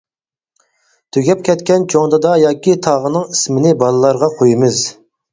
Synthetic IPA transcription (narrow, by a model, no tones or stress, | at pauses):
t̪ʰøɡʲɛp̚kʲɛt̪kʲɛnt͡ʃʰoŋd̪ɑd̪ɑjɑːkʲit̪ʰɑːʁənɨŋismɪnɪbɑlˠɨlˠɑɾʁɑqʰojimɨz